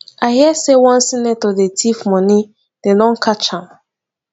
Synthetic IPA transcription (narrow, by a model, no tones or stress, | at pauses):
ahiɛsewɔ̃nsinɛtodetʰifmɔni | d̥edɔ̃nkʰat͡ʃhãm